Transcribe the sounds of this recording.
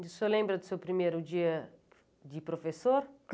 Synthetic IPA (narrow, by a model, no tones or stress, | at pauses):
d̪esɔlẽmbɾɐd̪usewpɾimejɾud͡ʒiɐ | d̪ɪpɾofesoɾ